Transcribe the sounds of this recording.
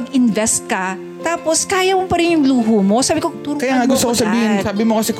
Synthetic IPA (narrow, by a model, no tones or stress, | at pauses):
ɡʔɪnvɛst̪̚kɐ | t̪aːposkaːjɐmopɐɾɪnjʊŋluːɦuːmo̞saːbɪkot̪uːɾʊkɐjjaŋɐɡʊst̪okosɐbiːhɪnsaːbɪmokɐsɛk